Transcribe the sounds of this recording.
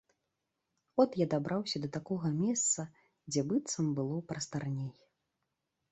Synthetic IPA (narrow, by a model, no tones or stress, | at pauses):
ɔt̪jad̪abɾʔawsʲɐd̪ɐt̪akɔɣɐmʲɛst̪sɐ | d͡zʲɛbɨt̪sɐmbɨlˠɔpɾɐst̪arnʲej